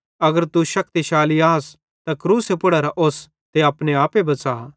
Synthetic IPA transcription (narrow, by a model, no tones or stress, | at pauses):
ɐɡəɾt̪uʃɐk̚t̪iʃaːliaːs | t̪akɾuːsepʊɽaɾaʔoːs | t̪eɐpneaːpebɐt͡saː